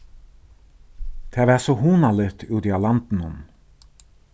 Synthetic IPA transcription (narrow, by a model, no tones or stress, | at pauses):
t̪ʰɛːvɛɾsɔɦuːnalɛɾt̪uːt̪ialant̪ɪnhʊn